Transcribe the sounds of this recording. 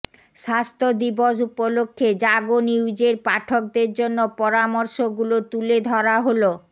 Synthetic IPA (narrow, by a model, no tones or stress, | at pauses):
ʃast̪ʰod̪iboʃupolokʰːed͡ʑaɡoniwd͡ʑeɾpaʈʰok̚d̪eɾd͡ʑonːopɔɾamɔɾʃoɡulot̪uled̪ʱɔɾaɦolo